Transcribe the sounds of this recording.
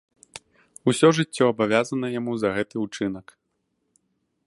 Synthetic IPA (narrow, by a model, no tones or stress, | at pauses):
usʲɔʐɨt͡sʲːɔɐbavʲazɐnɐjamuzɐɣɛt̪ɨut͡ʂɨn̪ɐk